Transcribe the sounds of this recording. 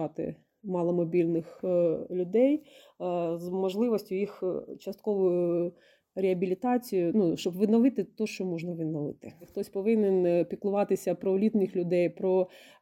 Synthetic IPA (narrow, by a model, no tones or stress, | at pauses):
ɑt̪ɪ̰ | mɑlˠɐmɔbʲilʲnɪxlʲʊd̪ɛj | zmɔʒlˠɪʋɔsʲtʲʊjixt͡ʃɐst̪̚kɔʋʊjʊ | ɾʲeɐbʲilʲit̪ɑt͡sʲijʊnuʃt͡ʃɔbʋɪd̪nɔʋɪt̪ɪt̪ɔʃt͡ʃɔmɔʒnɐʋɪd̪nɔʋɪ̰t̪ɪxt̪ɔsʲpɔʋɪnɪnpʲiklˠʊʋɑt̪ɪsʲɐpɾɔlʲit̪nɪxlʲʊd̪ɛjpɾɔ